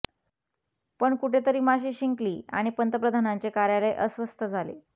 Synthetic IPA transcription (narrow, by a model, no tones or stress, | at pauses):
pəɳkuʈʰet̪əɾiːmaɕiːɕiŋkliːa̰ɽ̃ipənt̪əpɾəd̪ʱanaɲt͡ɕekaɾjaləjʔəsʋəst̪əd͡zʱalḛ